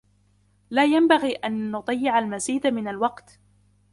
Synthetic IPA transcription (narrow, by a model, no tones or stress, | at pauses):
laːjambaɣiːʔanːʊt̪ˤɑjːɪʕalmaziːd̪amɪnalwɑqt̪